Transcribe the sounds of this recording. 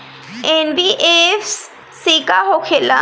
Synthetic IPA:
enbiʔefs | sikaɦokʰela̰

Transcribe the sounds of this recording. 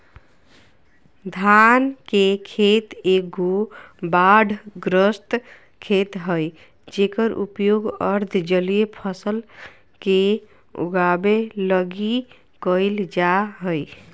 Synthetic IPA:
d̪ʱankekʰet̪eɡobaɖʱɡɾəsʈ̪ | kʰet̪ɦəj | d͡ʒekəɾʔupjoɡəɾd̪ʱd͡ʒəlijepʰəsəl | ke | ṵɡabeləɡi | kəɪld͡ʒaɦəj

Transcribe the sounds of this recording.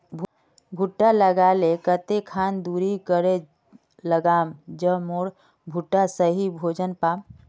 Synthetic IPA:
bʱ | bʱuʈːaləɡaːlekət̪ekʰaːnd̪uɾikəɾe | ləɡaːmd͡ʒəmoːɽ | bʱuʈːasəɦibʱoːd͡ʒənpaːm

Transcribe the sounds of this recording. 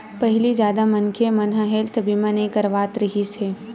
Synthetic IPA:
pɐɦɪlid͡ʒjaːd̪amɐnkʰemɐnɦəɦeːlt̪ʰɐbimãnekəɾʋaːt̪ɾəɦiseː

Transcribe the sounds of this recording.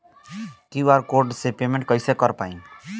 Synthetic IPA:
kiʋaɾkoɾɖsepeːmẽɳʈ̚kəɪsekəɾpa̰ːĩ

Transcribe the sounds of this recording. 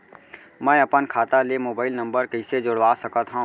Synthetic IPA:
mɛ̃ːɐpənkʰaːt̪alemoːbaːɪlnɐ̃mbəɾkəɪsed͡ʒʊɽʋaːsɐkət̪ɦõ

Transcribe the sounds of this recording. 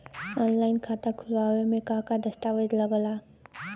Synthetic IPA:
ɔnlajnkʰat̪ʰakʰulwawemekakadɐstawɐdlɐɡɐla

